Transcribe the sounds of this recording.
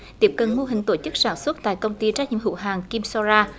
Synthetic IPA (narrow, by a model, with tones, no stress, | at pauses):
t̪i˦˥əp̚kə˨˩nmo˧ɦï˨˩ŋ̟t̪o˧˩t͡ɕɨ˦˥k̚saː˧˩nswə˦˥t̚t̪a̰ː˧˨jkə˧wŋ͡mt̪i˧t͡ɕaː˦˥k̚ɲḭ˧˨˥mɦɨ̰˧˥wɦaː˨˩ŋki˧msɔ˧zaː˧